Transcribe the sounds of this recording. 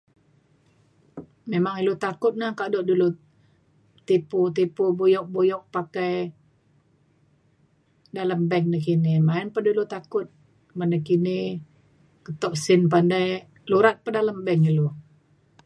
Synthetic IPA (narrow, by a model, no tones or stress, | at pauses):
memaŋilut̪akʊt̪̚nahkaʔdɔʔdulu | t̪iput̪̬ipubujɔk̚bojɔk̚pakaj | dalambɛŋnakinimaɪnpədulut̪akʊt̪̚ | mandakini | kət̪ɔʔ̚sɪnp̬andaj | luɾat̪̚pədalambɛŋilu